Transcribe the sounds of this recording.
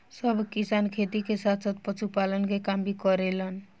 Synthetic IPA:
səbʱkisankʰet̪ikesat̪ʰsat̪̚pət͡ʃʰupalənkekambʱikɔɾelən

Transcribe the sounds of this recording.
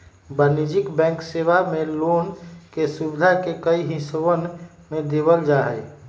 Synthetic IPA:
bənid͡ʒikbɛ̃ŋksebamelonkesubd̪ʱakekəiɦĩswən | med̪eβəld͡ʒaɦɛɪ

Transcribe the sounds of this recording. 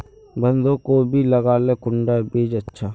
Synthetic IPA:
bənd̪ʱoːkobʱiləɡaːlekʊɳɖaːbeːd͡ʒətːʃʰaː

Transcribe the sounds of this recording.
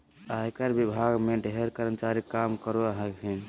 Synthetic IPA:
aikəɾbibʱaɡmeɖʱɦeɾkəɾəmt͡ʃaɾikamkəɾoaɦekɦən

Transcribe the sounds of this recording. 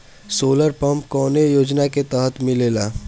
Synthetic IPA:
soːləɾpɐ̃mpkɔːnejoːd͡ʒnaket̪əɦət̪mɪleːlaː

